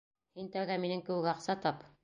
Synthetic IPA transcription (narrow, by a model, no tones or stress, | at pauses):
hint̪æwɡæminɘŋkɘ̆wɘ̆kɑqsɑt̪ɑp